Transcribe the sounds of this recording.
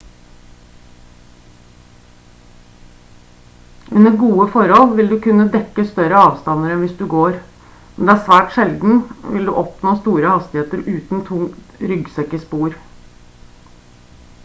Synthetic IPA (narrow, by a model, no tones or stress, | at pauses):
ʔʉnəɡuːəfɔɾhɔlʋɪld̪ʉːkʉnːəd̪ɛkːəst̪œɾəɑːʋst̪ɑnəɾɛnʋɪsd̪ʉɡoːɾ | mɛnd̪ɛːæːsʋæːʈʃɛld̪n̩ʋɪ̰ld̪ʉ̰ːʔɔpnoːst̪uːɾəhɑst̪ɪheːt̪əɾʉːt̪n̩t̪ʰʊŋt̪ɾʏɡsɛkəspuːɾ